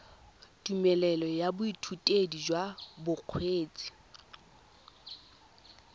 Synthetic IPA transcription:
tʼumɛlɛlɔjabʊitʰutʼedid͡ʒwabʊq͡χʰweːt͡sʼi̥

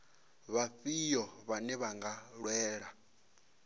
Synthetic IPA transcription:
βaɸijɔβanɛβaŋɡaɺwɛːɺa

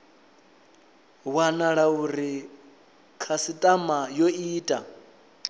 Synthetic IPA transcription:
wanaɺauɾi | kʰasitʼamajoiːtʼa

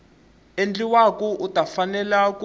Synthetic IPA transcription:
end͡ɮiwakuʔutafanɛlak

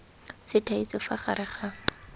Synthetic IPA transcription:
sɪtʰait͡sɔfaχa̰ɾɪχa

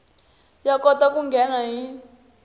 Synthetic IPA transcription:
jakɔtakuŋɡʱɛnaɦi

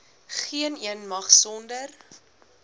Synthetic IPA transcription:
χiəniənmɐχsɔndər

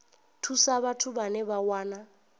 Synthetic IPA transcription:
tʰusaβatʰubanɛβawaːna

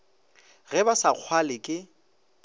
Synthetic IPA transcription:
ɣɛbasaq͡χʰwalɪkʼɪ

